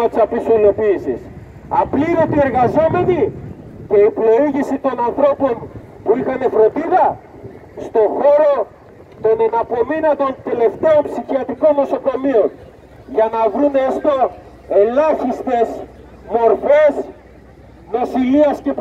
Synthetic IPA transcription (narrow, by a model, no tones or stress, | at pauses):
ɐt̪i̥sɐpisolo̞piːsḭs | ɐpliɾot̪ie̞ɾɣɐzo̞me̞nice̞ipɾo̞iʝisit̪o̞nɐnθɾo̞po̞n | puixɐne̞fɾo̞nd̪iðɐ | st̪o̞xo̞ɾo̞ | t̪o̞nenɐpo̞minɐt̪o̞nt̪e̞le̞ft̪e̞ompsiçiɐt̪iko̞nːo̞so̞ko̞mio̞n | ʝɐnɐvɾunest̪o̞ | e̞lɐçist̪e̞z | mo̞ɾfe̞s | mosiliɐsce̞p